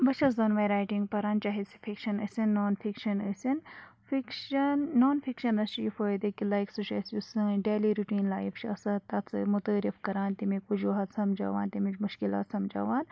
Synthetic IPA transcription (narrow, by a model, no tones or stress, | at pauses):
bɐt͡ʃʰɐzɐnʋɐjɾaːjʈiŋɡ̚pɐɾaːnt͡ʃaːɦisi̥fʰikʃɐnə̰sʲɐnːoːnfʰikʃɐnəsɐn | fikʃɐnːoːnfʰikʃɐnɐst͡ʃiːfoːjd̪ekilajksuʃɐsusɨɖeːliɾuʈiːnlaːjift͡ʃʰɐsɐt̪ɐt̪sɨmʊt̪əːɾifkɐɾaːnt̪imikud͡ʒuːɦɐt̪sɐmd͡ʒa̰ːʋa̰ːnt̪imit͡ʃmʊʃkila̰ːt̪sɐmd͡ʒa̰ːʋaːn